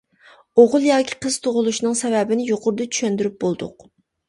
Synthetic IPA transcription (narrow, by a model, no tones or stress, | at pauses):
oʁʊlˠjɑːkʲʰi̥qʰəz̥t̪ʰoʁʊlˠuʃnɨŋsɛvɛbɪnɪjoqʰʊɾd̪ɨt͡ʃʰy̥ʃɛnd̪yɾyp̚bolˠd̪ʊ̰q